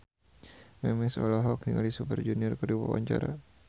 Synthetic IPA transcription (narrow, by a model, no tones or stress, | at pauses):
mɛmɛsolaɦɔk̚niŋalisupərd͡ʒuniɔrkəduwa̰wa̰ɲt͡ʃa̰ɾa